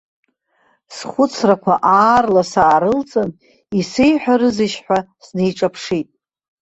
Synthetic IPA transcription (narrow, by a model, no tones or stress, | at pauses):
sχʷʊt͡sʰrakʷʰaʔaːrlasaːɾɨlt͡sʼɨn | isejħʷᶣaɾɨziʃħʷᶣasne̞jʈ͡ʂʼapʰʂitʼ